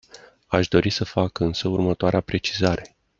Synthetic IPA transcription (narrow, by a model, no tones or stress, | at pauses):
aʃd̪o̞ɾisəfakɨnsəurmət̪oaɾeapɾe̞t͡ʃizaɾe̞